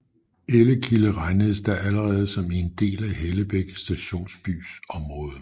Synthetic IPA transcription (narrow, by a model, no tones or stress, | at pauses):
eləkʰiləʁɑ̈ɪnəð̞̩ˠsd̥æʔæləʁɛːð̞ˠsɒ̽miend̥e̝̰ːlæheləb̥eɡ̥əsd̥æɕo̝̰ːnsb̥y̰ːsɒ̽mʁɔ̽ːð̞ˠ